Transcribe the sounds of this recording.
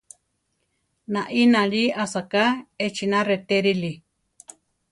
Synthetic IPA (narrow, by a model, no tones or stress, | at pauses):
nãʔinãliasakaet͡ʃinãret̪eɾili